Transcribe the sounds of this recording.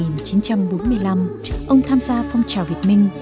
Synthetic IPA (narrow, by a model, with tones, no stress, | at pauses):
i˨˩nt͡ɕi˨˦nt͡ɕa˧mɓo˨˦nmɨ˧əjla˧m | ʔə˧wŋ͡mt̪ʰaː˧mzaː˧fwŋ͡mt͡ɕaː˨˩wvi˨˩ət̚mï˧ŋ̟